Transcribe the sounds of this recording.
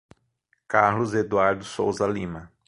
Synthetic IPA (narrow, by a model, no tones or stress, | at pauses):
kaɾlʊzed̪uaɾd̪ʊsowzɐlĩmɐ